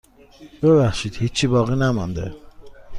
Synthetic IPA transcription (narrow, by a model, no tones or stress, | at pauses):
b̥eβæχʃid̪̥hit͡ʃʰːibɒːɣinæmɒnd̪ḛ